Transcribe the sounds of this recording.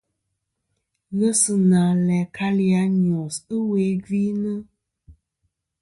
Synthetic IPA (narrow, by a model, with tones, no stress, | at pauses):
ɣə˦sɨ˨nã˨lɛ˨kʰa˦li˦a˨ɲɔ̃˨sɨ˦we˨˦ɡi˦nə˦